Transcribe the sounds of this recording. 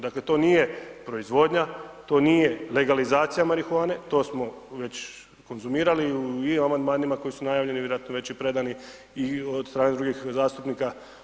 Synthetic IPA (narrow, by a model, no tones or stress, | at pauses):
d̪akle̞t̪o̞niːje̞pɾo̞izʋo̞d̪ɲat̪o̞ːniːje̞le̞ɡalizaːt̪sijamaɾixuaːne̞t̪o̞ːsmo̞ʋe̞t͡ɕ | ko̞nzumiːɾaliuiimamand̪maːnimako̞jisunajaːʋlʎe̞niʋjeɾoat̪noʋe̞t͡ɕipɾe̞d̪ani | iod̪st̪ɾaːne̞d̪ɾuɡixzaːst̪upniːka